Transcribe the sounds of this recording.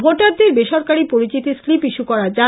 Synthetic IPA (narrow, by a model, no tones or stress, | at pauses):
bʱoʈaɾd̪eɾbeʃɔɾkaɾipoɾit͡ɕit̪islipiʃukɔɾad͡ʑa